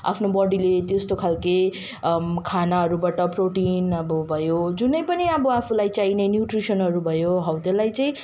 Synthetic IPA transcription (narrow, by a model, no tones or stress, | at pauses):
a̰pʰnobʌɽilet̪est̪okʰalke | kʰanaɦʌɾubaʈʌproʈinʌbʌbʱʌjod͡zunʌjpʌniʌbʌapʰulajt͡sainenjuʈrisʌnɦʌɾubʱʌjoɦʌwt̪elajt͡saĩ